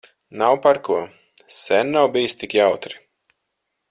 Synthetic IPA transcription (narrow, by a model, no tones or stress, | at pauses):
nawpaɾkuɔ | sɛnːawbijist̪ikjawt̪ɾi̥